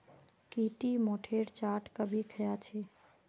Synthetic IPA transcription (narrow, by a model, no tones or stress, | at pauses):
kiʈimoʈʰeɾt͡ʃaʈkəbʱikʰəjat͡ʃʰi